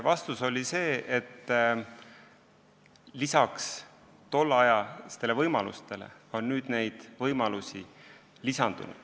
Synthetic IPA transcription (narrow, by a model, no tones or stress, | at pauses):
vɑst̪uso̞lʲise̞ːʔet̪ː | lisɑks | t̪o̞lːɑjɑse̥t̪elevɤjmɑlṵst̪e̞lḛo̞nːyːd̪̥ne̞jd̪̥vɤjmɑlusi | lisɑnd̪ṵnṵd̪̥